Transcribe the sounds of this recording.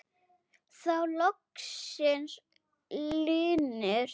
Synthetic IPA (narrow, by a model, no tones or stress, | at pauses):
θawlɔksɪns | lʏːnʏɾ̥